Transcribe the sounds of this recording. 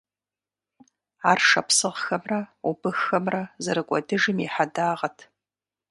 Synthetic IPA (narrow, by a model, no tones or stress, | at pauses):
aːrʂɐpsɨʁxɐmrɐʊbɨxːɐmrɐzɨɾɨkʷʼɔdɨʒɨmiħadaːʁɐtʰ